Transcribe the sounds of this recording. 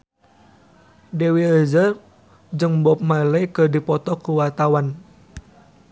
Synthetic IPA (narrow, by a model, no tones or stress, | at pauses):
dewiəzər | d͡ʒəŋbɔp̚maləjkərdipɔt̪ɔkuwat̪awan